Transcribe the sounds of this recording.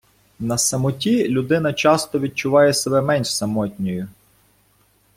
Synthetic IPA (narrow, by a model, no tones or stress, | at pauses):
nɐsɐmʊtʲilʲʊd̪ɪnɐt͡ʃɑst̪ɔʋʲid̪̚t͡ʃʊʋɑjɛsebɛmɛnʲʃsɐmɔtʲnʲɔjʊ